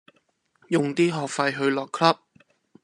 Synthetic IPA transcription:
jʊ˨ŋt̪iː˥ɦɔː˨k̚fɐ˧jɦɵ˧ɥlɔː˨kʰlɐ˥p̚

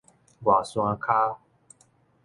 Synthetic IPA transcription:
ɡwa˨sw̃ã˧kʰa˦

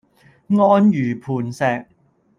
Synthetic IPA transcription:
ŋɔː˥njyː˨˩pʰuː˨˩nsɛː˨k̚

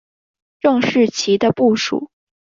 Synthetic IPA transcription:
ʈ͡ʂɤ˥˧ŋʂɻ̩˥˩t͡ɕʰi˧˥d̪ə˧pu˥˩ʂṵ˨˩˦

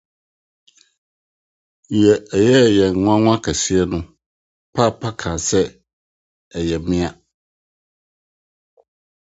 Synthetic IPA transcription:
jɛ˨ɛ˨jɛ˦˨jɛ˨ŋ̩˨ŋʷ˦ã˦ŋ̃ʷ˦a˦kʰa˨si˦ɛ˦nʊ̃˦ | pʰa˦˨pʰa˦kʰãː˨sɛ˦ | ɛ˨jɛ˨mɪ̃˦a˨

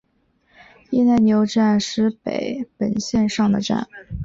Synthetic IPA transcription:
i˥˧na˥˩ɪnjo˧˥ʊʈ͡ʂa˥˧nʂɻ̩˧˥pḛ˨˩˦ɪpə˨˩nɕjɛ˥˧nʂɑ˥˩ŋd̪ə˩ʈ͡ʂa̰˥˩n

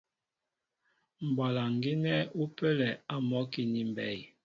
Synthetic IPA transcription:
m̩˨ba˨la˨ŋ˨ɡi˦nɛ˦u˦pɛ˦lɛ˨a˦mɔ˦ki˦˨ni˦m˨bɛ˦˨j

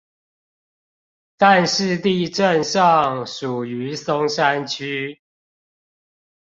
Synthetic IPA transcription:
t̪a˥˨nʂɻ̩˥˨t̪i˥˨ʈ͡ʂə˥˨nʂɑ˥˨ŋʂu˨˩y˨˦so˦ŋʂa˦nt͡ɕʰy˦

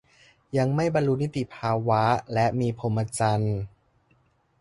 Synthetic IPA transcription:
ja˧ŋma˥˩jba˧nlu˦˥ni˦˥t̪i˨˩pʰaː˧wa˦˥lɛ˦˥ʔmiː˧pʰo˧˦mʔa˧t͡ɕa˧n

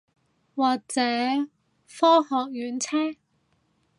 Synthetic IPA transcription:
waː˨k̚t͡sɛː˨˥ | fɔː˥hɔː˨k̚jyː˨˥nt͡sʰɛː˥

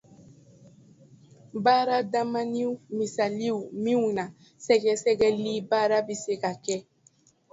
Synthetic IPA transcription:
ba˦ɾa˦da˦ma˦ni˦u˦mi˨sa˨li˦u˨mĩ˦ũ˨na˨ | sɛ˦ɡɛ˦sɛ˦ɡɛ˦li˦ba˦ɾa˦bi˦se˦ka˨kɛ˦

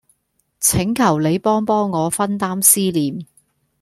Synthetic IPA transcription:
t͡sʰɪ˨˥ŋkʰɐ˨˩wle˨˧jpɔː˥ŋpɔː˥ŋːɔː˨˧fɐ˥nt̪aː˥msiː˥liː˨m

